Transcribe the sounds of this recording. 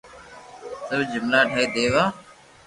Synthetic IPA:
səbd͡ʒɪmlaːʈʰaːiːd̪eːʋaː

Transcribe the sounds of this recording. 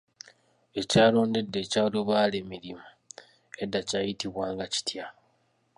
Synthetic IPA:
e̞caːlo̞ːnde̞dːe̞ːcaːloβaːle̞miɾimu | e̞dːacajitiβwaːŋɡaci̥tja

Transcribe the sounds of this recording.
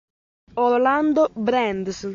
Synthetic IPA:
oɾland̪obɾɛnd̪s

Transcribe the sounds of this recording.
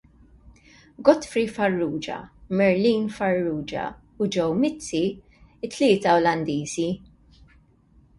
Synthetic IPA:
ɡɔt̪fɾifɐrːuːd͡ʒɐ̰mɛɾliːnfɐrːuːd͡ʒɐ̰ | ʊd͡ʒɛwmɪt͡st͡sːi | ɪt̪ːlɪːt̪ɐɔlɐnd̪iːzi

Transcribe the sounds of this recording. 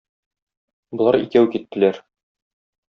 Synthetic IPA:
bŏlˠɑɾḭkæwkit̪ːɘ̆læɾ

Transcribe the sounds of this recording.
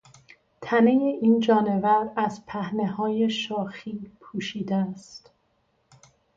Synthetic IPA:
t̪ʰæne̞jeʔiːnd͡ʒɒːne̞væɾæzpʰæhne̞hɒːje̞ʃɒːxiːpʰuːʃiːd̪eæst̪

